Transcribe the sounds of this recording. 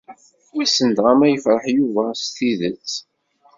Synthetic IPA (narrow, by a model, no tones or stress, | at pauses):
wæsənd̪ʁæmæjəfɾˤəħjuvæst̪iðət͡sː